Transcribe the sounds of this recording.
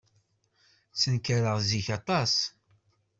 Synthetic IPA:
t͡sːənkaɾəʁziçɑt̪ˤɑs

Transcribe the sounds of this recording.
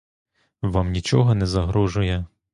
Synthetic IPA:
ʋamnʲit͡ʃɔɦɔnɛzɐɦɾɔʒʊjɛ

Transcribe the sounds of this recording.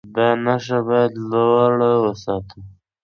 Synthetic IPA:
d̪ɑnaʂabɑjad̪laaɽawəsɑt̪ʰə

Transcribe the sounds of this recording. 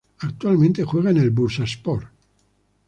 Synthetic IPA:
akt̪ualmẽnt̪exweːɣaenelbuɾsaspɔr

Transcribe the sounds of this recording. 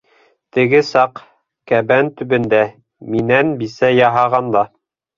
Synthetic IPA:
t̪ɘ̆ɡɘsɑq | kæbænt̪ɵ̆bɘ̆nd̪æ | minænbisæjɑɦɑʁɑnd̪ɑ

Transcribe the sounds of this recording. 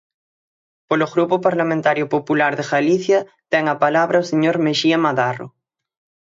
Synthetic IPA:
poloɣɾupʊpaɾlamẽnt̪aɾjʊpopulaɾðeɣaliθjɐ | t̪ɛŋɐpalaβɾɐoseɲoɾmeʃiamaðarʊ̰

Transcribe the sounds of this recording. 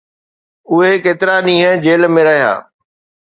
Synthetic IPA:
ʊɦekeːt̪ɪɾanĩːɦə̃d͡ʑeːlmẽɾɐɦja̰ː

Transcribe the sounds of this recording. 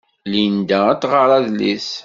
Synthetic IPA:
lind̪ææt͡sːʁəɾˤɑðlis

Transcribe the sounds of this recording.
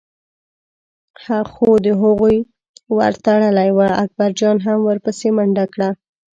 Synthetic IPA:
haxod̪əɦəɣuj | wa̰ɾt̪aɽəlajwaak̚baɾd͡ʒɑnɦamwəɾpəsemaɳɖakɽa

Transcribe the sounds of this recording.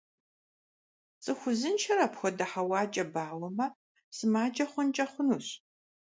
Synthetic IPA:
t͡sʼɨxʷʊzɨnʃʰɐɾɐpxʷɔdɐħɐwɑːt͡ʃʼɐbaːwɐmɐ | sɨmaːd͡ʒɐχʷʊnt͡ʃʼɐχʷʊnuːɕ

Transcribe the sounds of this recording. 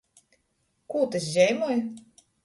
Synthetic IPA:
kuːt̪ɨs̬ʒʲɛjmɔj

